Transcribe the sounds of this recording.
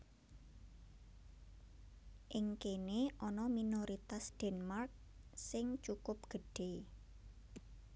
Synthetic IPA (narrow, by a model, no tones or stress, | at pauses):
ʔɪŋkeneʔɔnɔminoɾit̪asd̥ɛnmark̚sɪŋt͡ʃukʊp̚ɡ̥əɖ̥e